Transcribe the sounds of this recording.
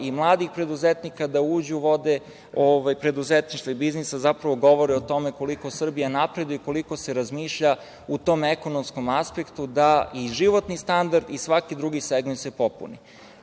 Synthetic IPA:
imlˠaːd̪ixpɾe̞d̪uzet̪nikad̪auːd͡ʑuʋo̞d̪e | oʋajpɾe̞d̪uzet̪niʃt̪ʋaibiznisazapɾaʋo̞ɡo̞ʋo̞ɾɛot̪o̞meko̞liko̞sr̩bijanapɾe̞d̪ujuko̞liko̞se̞ɾazmiːʃʎa | ut̪o̞meko̞nomsko̞maspekt̪ud̪aiʒiʋo̞t̪nist̪and̪aɾd̪isʋakid̪ɾuɡiseɡmensepo̞pṵni

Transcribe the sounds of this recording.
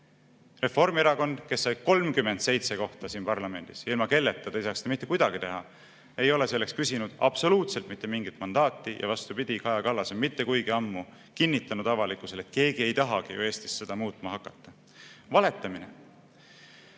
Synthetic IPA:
re̞fo̞rmeɾɑko̞nd̪̥ke̞sːɑjko̞lmkymːe̞nd̪̥se̞jt̪se̞ko̞ht̪ɑsiːnpɑrlɑme̞nd̪̥isilmɑke̞lːe̞t̪ːˑɑd̪̥ɑjsɑːksd̪emit̪ːe̞kujd̪̥ɑɡ̥it̪e̞ɦɑ | e̞jo̞le̞se̞lːe̞kskysinud̪̥ɑb̥so̞luːt̪selt̪mit̪ːemiŋɡit̪ˑmɑnd̪̥ɑːt̪ˑːijʔɑ̰vɑst̪upid̪̥ʲikɑjɑkɑlːɑsemit̪ːe̞kujɡiɑmːu | kinːit̪ːˑɑnud̪̥ɑvɑlikːˑuse̞le̞t̪̚ke̞ːɡie̞jt̪ɑɦɑɡ̥ijṵe̞ːst̪i̥sːe̞d̪̥ɑmuːt̪ˑmɑɦɑkːˑɑt̪ːɑ | vɑle̞t̪ːˑɑminḛ

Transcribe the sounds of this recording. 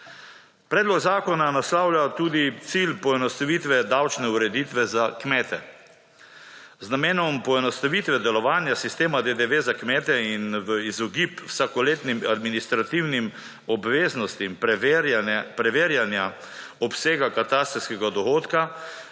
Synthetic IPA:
pɾɛːd̪lɔɡzaːkɔnanaslawljat̪uːd̪it̪silpɔɛnɔst̪aʋiːt̪ʋɛd̪awt͡ʃnɛuɾɛd̪iːt̪ʋɛzakmɛːt̪ɛ | znameːnɔmpɔɛnɔst̪aʋit̪ʋɛd̪ɛlɔʋaːnjasist̪eːmad̪ed̪eʋeːzakmɛːt̪ɛinʋəizɔɡipwsakɔleːt̪nimad̪minist̪ɾat̪iwnim | ɔbʋeːznɔst̪im | pɾɛʋeːɾjanja | ɔpseːɡakat̪aːst̪iskɛɡad̪ɔɣoːt̪ka

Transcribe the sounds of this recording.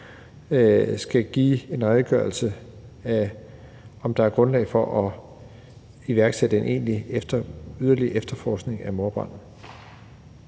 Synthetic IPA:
sɡ̥æɡ̥ḭːe̝nʁaðˠɡ̥ɶ̰ɐlsəæ | ɒ̽md̥ɑ̈æɐɡ̥ʁɔ̽nlɛ̰ɪfɒ̽ʔɒ | iʋæɐɡ̥sed̥əe̝nʔe̝̰ːnlied̥ɐyð̞ˠɐliəʔefd̥ɐfɒ̰ːsɡ̥ne̝ŋæmo̝ɐb̥ɑ̰̈n̩

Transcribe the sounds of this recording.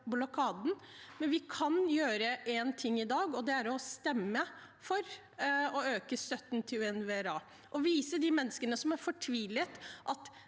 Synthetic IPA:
bʊlɔkʰɑːd̪n̩mɛnʋɪkʰɑnjøːɾəʔɛnt̪ʰɪŋːɪd̪ɑːɡɔd̪ɛæɾɔst̪ɛmːə | fɔɾ | ɔøːkəst̪œt̪ːnt̪ʰɪʉɛnʋeɾɑː | ʔɔʋiːsəd̪ɪmɛnːəskənəsɔmæɾfɔʈʰʋiːlət̪ʔɑt̪

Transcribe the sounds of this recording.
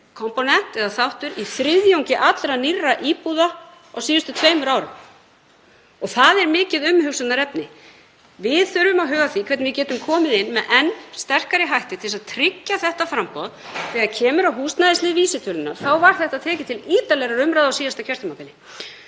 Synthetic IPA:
kʰɔmpɔnɛn̥t̪ɛðaθawht̪ʏɾiθɾɪðjowŋcɪʔat̪lɾanirːaʔiːpuða | awsiːðʏst̪ʏt̪ʰvejmʏɾaːwɾʏm | ɔɣθaðɛɾmɪːcɪðʏmhʏwsʏnnaɾɛpnɪ | vɪðθʏɾʏmaðɦœːɣaθikʰvɛtnvɪcɛːt̪ʏmkʰɔːmɪðɪnːmɛðʔɛnːst̪ɛr̥kaɾɪɦajht̪ɪt̪ʰɪlsaðt̪ʰɾɪcːaθɛht̪afɾampɔðθɛːɣaðcʰɛːmʏɾawɦuːst̪naðɪst̪ɪðviːsɪt̪ʰœlɪnaθawvaɾ̥θɛht̪aðt̪ʰɛːcɪt̪ʰɪliːt̪alɛɣɾaɾʏmɾajðawsiːðast̪acʰɛr̥t̪ʏmapɪlɪ

